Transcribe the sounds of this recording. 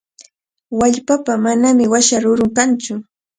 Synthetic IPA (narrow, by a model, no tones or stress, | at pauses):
waʎpapamanamɪwaʃaɾʊɾʊŋkant͡ʃʊ